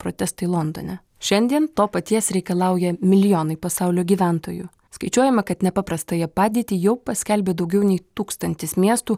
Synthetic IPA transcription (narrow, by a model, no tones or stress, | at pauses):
pɾo̰ːt̪ʲɛst̪ɐɪlˠɔnd̪o̰nʲɛ | ʃʲɛnʲd̪ʲiɛnt̪oːpɐt̪ʲiɛsɾʲɛɪkɐlˠɑˑʊjɛmʲɪlʲɪjoːnɐɪpɐsɑˑʊlʲoːɡʲiːʋʲænt̪oːjʊ | skɐɪt͡ʃʲuɔjɛmɐkɐt̪nʲɛpɑpɾɐst̪ɐjɛpɑːd̪ʲiːt̪ʲiːjɛʊpɐsʲkʲɛlʲbʲeːd̪ɒʊɡʲɛʊnʲɛɪt̪uːkst̪ɐnʲt̪ʲɪsmʲiɛst̪uː